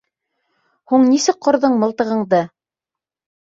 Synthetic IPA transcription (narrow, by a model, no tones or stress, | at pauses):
huɴnisɘk̚qːŏɾðɤɴmɤ̆lˠt̪ɤ̆ʁɤ̆ɴðɤ